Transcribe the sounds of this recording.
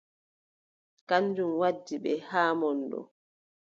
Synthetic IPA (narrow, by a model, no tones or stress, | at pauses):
kanːd͡ʒumwadːiɓɛhaːmɔndɔ̰